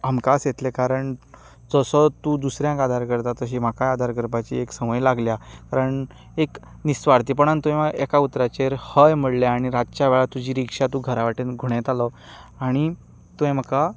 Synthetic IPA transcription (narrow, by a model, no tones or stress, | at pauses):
amkasjet̪lekaɾəɳ | d͡zəsɔt̪uːd̪usɾjãŋkad̪ʱaɾkəɾt̪at̪əɕ̬iːm̤akajad̪ʱaɾkəɾpat͡ɕḭeksəməjlaɡljakaɾəɳ | ek | nist̪ʋaɾt̪̬iːp̬əɳant̪uẽmaɡɛkaut̪ɾat͡ɕeɾhəjm̤əɽljeaɽ̃iɾad͡zt͡ɕjaʋɛɭat̪ud͡ʑiːɾikʂat̪ũɡʱəɾaʋaʈinɡʱuɽ̃et̪alɔ | aɽ̃i | t̪uẽm̤əka